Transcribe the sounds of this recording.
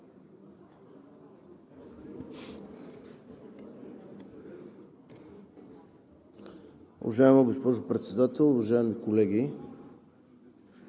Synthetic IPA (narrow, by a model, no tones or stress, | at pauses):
ṵvɐʒaɛməɡospɔʒopɾɛt̪sɛd̪at̪ɛlˠovaʒaɛmikolɛɡʲi